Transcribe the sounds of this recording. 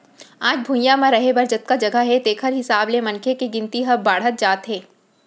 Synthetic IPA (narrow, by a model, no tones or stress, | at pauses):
aːd͡ʒbʱũjãmãɾɐɦebɐɾd͡ʒət̪̚kad͡ʒɐɡəɦɛt̪eːkʰəɾɦɪsaːblemɐ̃nkʰekiɡɪ̃nt̪iɦɐbːaːɽ̤ɦət̪̚d͡ʒaːt̪ɦẽː